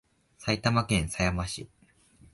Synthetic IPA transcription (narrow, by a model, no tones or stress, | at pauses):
sait̪amakẽɰ̃sajamaɕi